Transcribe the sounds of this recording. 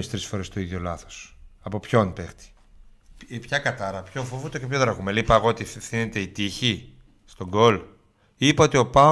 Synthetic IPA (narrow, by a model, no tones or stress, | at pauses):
ist̪ɾisfo̞ɾe̞st̪oiðʝolɐθo̥sɐpo̞pço̞npext̪i̥ | pçɐkɐt̪ɐɾɐpço̞ɱfovut̪ocepçoðɾɐɣumelipɐeɣo̞ot̪iθine̞t̪e̞it̪içi | st̪o̞ɡo̞l | ipɐo̞t̪io̞pɐ